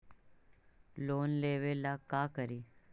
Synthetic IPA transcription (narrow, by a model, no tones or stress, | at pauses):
loːnleʋelakakəɾi